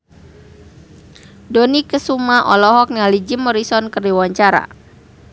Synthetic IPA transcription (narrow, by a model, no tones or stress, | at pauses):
dɔnikəsumaʔɔ̰lɔɦɔk̚nalid͡ʒimɔɾisɔnkərdiwaɲt͡ʃaɾa̰